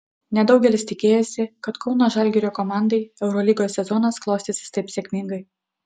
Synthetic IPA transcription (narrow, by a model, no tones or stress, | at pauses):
nʲɛd̪ɒʊɡʲɛlʲɪst̪ʲɪkʲeːjoːsʲɪkɐt̪kɒʊnoːʒɐlʲɡʲɛɾʲoːkɔmɑˑnd̪ɐɪɛʊɾɔlʲiːɡoːsʲɛzɔnɐsklˠɐʊst̪ʲɪsʲɪ̥st̪ɐɪpsʲeːkʲmʲɪŋɡɐɪ